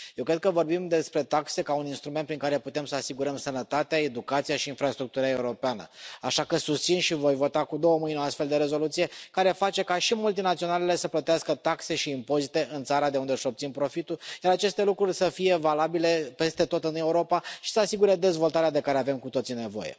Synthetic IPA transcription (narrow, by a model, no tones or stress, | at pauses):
jjewkɾe̞d̪̚kəvo̞rbimd̪e̞spɾe̞t̪akse̞kauninst̪ɾumen̚pɾiŋkaɾe̞put̪e̞msəasiɡuɾəmsənət̪at̪eae̞d̪ukat̪sijaʃiːnfɾast̪ɾuk̚t̪uɾae̞uɾo̞peanə̰aʃakəsust̪sinʃivo̞jvo̞t̪akud̪o̞wəmɨjno̞ast̪fe̞ld̪e̞ɾe̞zo̞lut̪sije̞kaɾe̞fat͡ʃe̞kaʃimult̪inat̪sio̞nale̞le̞səplət̪easkət̪akse̞ʃiːmpo̞zit̪e̞ʔɨnt̪saɾad̪eund̪eɨʃo̞pt̪simpɾo̞fit̪ujaɾat͡ʃe̞st̪e̞lukɾurʲsəfije̞valabile̞pe̞st̪e̞t̪o̞t̪ɨne̞uɾo̞paʃi̥səasiɡuɾe̞d̪e̞zvo̞lt̪aɾead̪e̞kaɾeave̞mkut̪o̞t̪sine̞vo̰jḛ